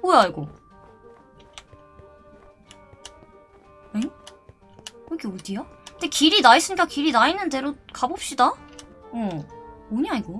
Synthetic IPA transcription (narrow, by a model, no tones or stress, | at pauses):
bojaiɡo | e | kɯɡeodijakɯndekiɾinais͈ɯɲik͈akiɾinainːɯnde̞ɾokabop̚ɕ͈idaooɲaiɡo